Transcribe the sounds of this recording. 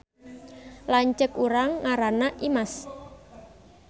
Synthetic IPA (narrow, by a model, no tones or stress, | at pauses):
laɲt͡ʃəkuɾaŋːaɾanaʔimas